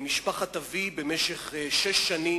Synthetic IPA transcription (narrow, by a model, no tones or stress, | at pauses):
miʃpaχat̪avibemeʃeχʃeʃːani